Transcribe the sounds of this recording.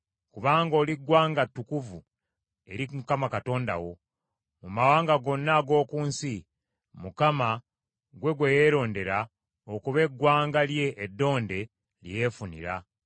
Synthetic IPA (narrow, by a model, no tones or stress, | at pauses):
kuβaːŋɡo̞ːliɡwaːŋɡatːukuvu | e̞̰ɾimukamakato̞ːnda̰wo̞ | mumawaːŋɡaɡo̞nːaɡo̞ːkuːnsi | mukama | ɡwe̞ɡweje̞ɾo̞ːnde̞ɾa | okuβe̞ɡːwaːŋɡalje̞ʔːdːo̞ːnde̞ | ljje̞ːfunḭɾa̰